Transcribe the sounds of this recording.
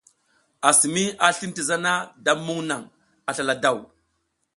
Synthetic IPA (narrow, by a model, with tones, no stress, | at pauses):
a˨si˨mi˦a˨ɬi˦n˦ti˨za˦na˦da˦mːu˦ŋna˨ŋ | a˨ɬa˨la˨da˦˨w